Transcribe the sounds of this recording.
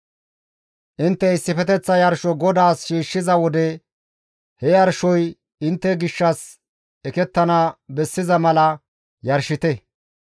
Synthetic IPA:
ʔɪnt̪ːɛɪsːɪfɛt̪ɛt͡sːɐjɐɾʃɔɡɔd̪aːsʃiːʃːɪzɐwɔd̪ɛ | hɛjɐɾʃɔj | ɪnt̪ːɛɡɪʃːɐs | ɛkɛt̪ːɐnɐbɛsːɪzɐmɐlɐ | jɐɾʃɪt̪ɛ

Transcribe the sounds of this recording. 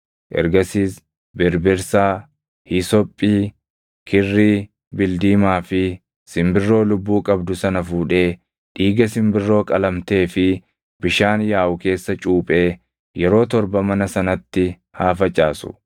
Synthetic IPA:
ʔɛ̰ɾɡɐsiːs | bɪɾbɪɾsaː | hɪsɔpʼːiː | kʰɪrːiː | bɪld̪iːmaːfɪ | sɪmbɪrːo̞ːlʊbːuːkʼɐbd̪ʊsɐnɐfuːᶑe̞ː | ᶑiːɡɐsɪmbɪrːo̞ːkʼɐlɐmt̪e̞ːfɪ | b̥ɪʃaːnjaːʔʊke̞ːsːɐt͡ʃʼuːpʼe̞ː | jɛɾo̞ːt̪ɔɾbɐmɐnɐsɐnɐt̪ːɪ | haːfɐt͡ʃʼːaːsʊ̰

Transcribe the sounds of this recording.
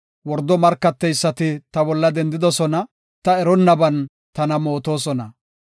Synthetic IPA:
wɔɾd̪ɔmɐɾkːɐt̪ːɛjsːɐt̪ɪt̪ɐbɔlːɐd̪ɛnd̪ɪd̪ɔsɔnɐ | t̪ɐɛɾɔnːɐbɐn | t̪ɐnɐmo̞ːt̪o̞ːsɔnɐ

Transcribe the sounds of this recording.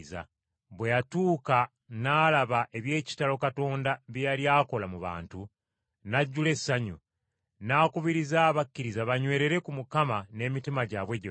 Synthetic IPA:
za̰ | βwe̞jatuːka | naːlaβaʔe̞βje̞ːci̥talo̞kato̞ːndaβjjaljaːko̞lamuβa̰ːntu | naɟːule̞sːaɲṵ | naːkuβiɾizaːβakːiɾizaβaɲwe̞ːɾe̞ɾe̞kumukamane̞ːmitimaɟaβwe̞ɟe

